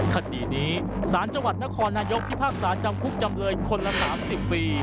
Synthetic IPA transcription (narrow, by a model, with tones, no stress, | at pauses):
kʰa˧˩diː˨˩niː˦˥ | saː˩˦nt͡ɕa˧ŋwa˨˩t̪̚na˦˥kʰɔː˧nːaː˧jo˦˥k̚pʰi˦˥˩pʰaː˥˩k̚saː˩˦˥nt͡ɕa˧mkʰu˦˥k̚t͡ɕa˧mlɤː˧nkʰo˧nla˦˥saː˩˦msi˨˩pːiː˧